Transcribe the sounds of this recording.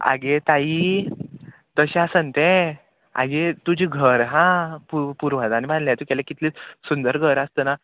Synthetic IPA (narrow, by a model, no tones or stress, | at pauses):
a̰ɡet̪ai | t̪əɕaasənt̪ɛ̃ | a̰ɡet̪ud͡ʑiɡʱəɾɦãpupuɾʋ̤ãt̪anibãnljãt̪ukɛlakit̪lit͡ssund̪əɾɡʱəɾast̪əna